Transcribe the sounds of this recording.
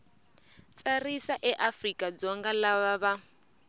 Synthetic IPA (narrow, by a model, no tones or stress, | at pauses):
t͡sʼarisaʔɛʔafrikʼad͡zɔŋɡalaβaβa